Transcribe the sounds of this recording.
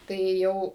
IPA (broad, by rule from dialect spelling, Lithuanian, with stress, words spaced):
ˈtɐɪ ˈjɛʊ